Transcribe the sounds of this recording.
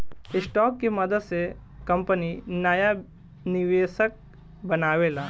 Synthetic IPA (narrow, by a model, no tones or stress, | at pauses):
ɪsʈɔːkːemɐd̪əd̪se | kɐ̃mpəninaːja | nɪʋeːʃək̚ | bɐnaːʋeːlaː